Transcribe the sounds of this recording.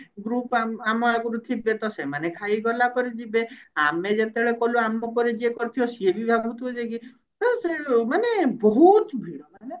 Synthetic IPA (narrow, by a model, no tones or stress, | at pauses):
ɡɾupaamɔaɡuɾut̪ʰibet̪ɔsemanekʰajɡɔlapɔɾed͡ʒibeamed͡ʒet̪eɭekɔluamɔpɔɾed͡ʒiekɔɾt̪ʰiɔsiebibʱabʱut̪ɔd͡ʒeki | t̪ɔsemanebɔɦut̪bʱiɽɔmaane